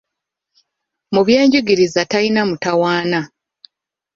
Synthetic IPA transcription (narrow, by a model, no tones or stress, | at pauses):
muβjeːɲɟuɡiɾizatajinamutawaːna